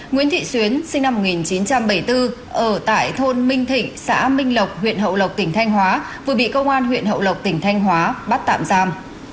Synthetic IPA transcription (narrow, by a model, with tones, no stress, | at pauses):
ŋwi˧˥nt̪ʰḭ˧˨swi˨˦ənsï˧ŋ̟na˧mːo˨˩t̚ŋi˨˩nt͡ɕi˨˦nt͡ɕa˧mɓə˧˩jt̪ɨ˧ | ʔəː˧˩t̪a̰ː˧˨jt̪ʰo˧nmï˧ŋ̟t̪ʰḭ̈˧˨ŋ̟sa̰ː˧˥mï˧ŋ̟lə˨˩wk͡p̚hwḭ˧˨ənɦə̰˧˨wlə˨˩wk͡p̚t̪ï˧˩ŋ̟t̪ʰa˧jŋ̟ɦwaː˨˦ | vɨ˨˩ɓḭ˧˨kə˧wŋ͡mʔaː˧nɦwḭ˧˨ənɦə̰˧˨wlə˨˩wk͡p̚t̪ï˧˩ŋ̟t̪ʰa˧jŋ̟ɦwaː˨˦ɓa˦˥t̚t̪a̰ː˧˨mzaː˧m